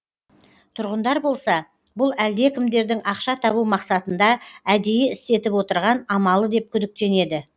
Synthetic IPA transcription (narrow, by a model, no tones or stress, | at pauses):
t̪ʰʊɾʁənd̪ɑɾbo̞lˠsɑ | bʊlˠæld̪e̞kʲɪmd̪e̞ɾd̪ɪŋɑqʃɑt̪ʰɑβumɑqsɑt̪ənd̪ɑæd̪e̞jeɪst̪e̞t̪ɪpwo̞t̪əɾʁɑnɑmɑlˠəd̪e̞p̚kʲʰʏd̪ɪk̚t̪e̞ne̞d̪ɪ